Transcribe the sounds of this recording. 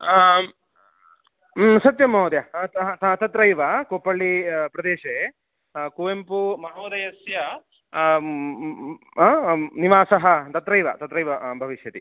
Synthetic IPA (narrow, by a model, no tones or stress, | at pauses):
sɐt̪jɐmoːd̪jɐ̃ | t̪ɐt̪ɾɐjʋɐkoːpɐɭːipɾɐd̪eːʃe | kuːʋempumɐɦoːd̪ɐjɐsjɐ | niʋaːsɐɦɐt̪ɐt̪ɾɐjʋɐ̰t̪ɐt̪ɾɐjʋɐbʱɐʋiʃjɐt̪i